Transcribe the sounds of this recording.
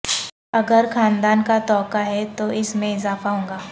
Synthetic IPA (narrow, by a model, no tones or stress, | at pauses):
ɐɡəɾxaːnd̪aːnkat̪ɔːkaɦɛt̪oɪsmẽɪzaːfaɦõːŋɡaː